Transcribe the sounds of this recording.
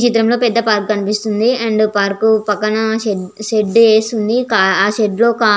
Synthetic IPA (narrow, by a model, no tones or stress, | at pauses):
t͡ʃit̪ɾɐmlo̞ːpɛd̪ːɐpaːɾkkɐnipist̪und̪iɐɳɖpaːɾkupɐkːɐnɐeʃeɖeːst̪und̪ikaaːʃeɖlo̞ːkaː